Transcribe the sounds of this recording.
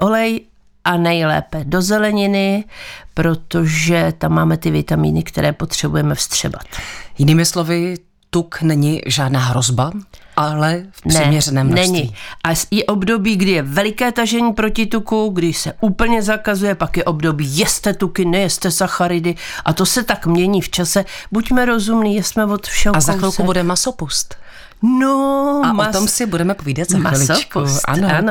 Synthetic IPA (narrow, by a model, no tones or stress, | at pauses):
ʔo̞lɛj | ʔanɛjlɛ̰ːpɛdo̞zɛlɛɲɪnɪpɾo̞t̪o̞ʒɛt̪amːaːmɛt̪ɪvɪt̪amḭːnɪkt̪ɛ̰ɾɛːpo̞t̪r̝̥ɛbujɛmɛfst̪r̝̥ɛ̰ba̰t̪jɪniːmɪslovɪ | t̪uknɛɲɪʒaːdnaːɦɾozbaʔalɛfnrɛmmɲɛrɛnɛːmnɛɲɪʔajɛʔo̞bdo̞biːɡdɪjɛvɛlɪkɛːt̪aʒɛɲiːpɾo̞cɪt̪ukuɡdɪʃsɛʔuːpl̩ɲɛzakazujɛpakjɛʔo̞bdo̞biːjɛst̪ɛt̪ukɪnɛjɛst̪ɛsaxaɾɪdɪʔat̪o̞sɛt̪akmɲɛɲiːft͡ʃasɛbucmɛɾo̞zumniːjɛsmɛvo̞t̪fʃɛazaxɾolkubudɛmasopust̪ | noamt̪omsɪbudɛmɛpoviːdat̪zzamxaɪlɪsopkuusʔa̰noano